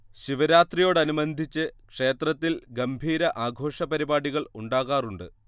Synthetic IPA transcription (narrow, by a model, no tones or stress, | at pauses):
ɕiʋɐɾaːt̪rijo̞ːɽɐnumɐnd̪ʱit͡ɕːɨkʂe̞ːt̪rɐt̪ːilɡɐmbʱiːɾɐʔaːɡʱo̞ːʂɐpɐɾibaːɽiɣɐɭuɳɖaːɣaːruɳɖɨ